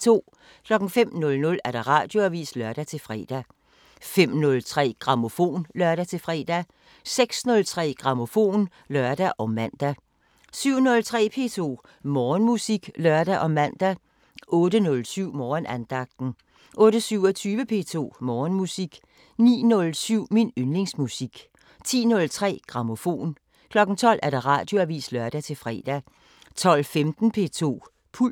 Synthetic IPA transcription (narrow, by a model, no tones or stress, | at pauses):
t͡sʰo̝̰ː | kʰlɒ̽ɡ̥ŋ̩fem̰nɔ̽lnɔ̽læɐɾ̥ɑ̈ʁɑ̈ːd̥jo̝æʋḭːslœɐd̥æt͡sʰe̝lfʁɛ̰ːd̥æ | fem̰nɔ̽lt͡sʰʁɛ̰ːɡ̥ʁɑ̈mo̝fo̝̰ːnlɶɐd̥æt͡sʰe̝lfʁɛ̰ːd̥æ | seɡ̥snɔ̽lt͡sʰʁɛ̰ːɡ̥ʁɑ̈mo̝fo̝̰ːn | lɶɐd̥æʔɒ̽mænd̥æ | syʊ̰nɔ̽lt͡sʰʁɛ̰ːpʰe̝̰ːt͡sʰo̝̰ː | mɒːnmusiɡ̥lɶɐd̥æʔɒ̽mænd̥æ | ʔɔ̽ːɾənɔ̽lsyʊ̰mɒːnænd̥ɑ̈ɡ̥̚d̥n̩ | ʔɔ̽ːɾ̥əsyʊɐt͡sʰyːʋəpʰe̝ːt͡sʰo̝̰ːmɒːnmusiɡ̥ | nḭːnɔ̽lsyʊ̰minønle̝ŋsmusiɡ̥ | t͡sʰḭːnɔ̽lt͡sʰʁɛ̰ːɡ̥ʁɑ̈mo̝fo̝̰ːn | kʰlɒ̽ɡ̥n̩t͡sʰɒ̽l̰ʔæɐd̥ɑ̈ʁɑ̰̈ːd̥jo̝æʋḭːslɶɐd̥æt͡sʰe̝lfʁɛ̰ːd̥æ | t͡sʰɒ̽l̰femd̥n̩pʰe̝̰t͡sʰo̝̰ː | pʰul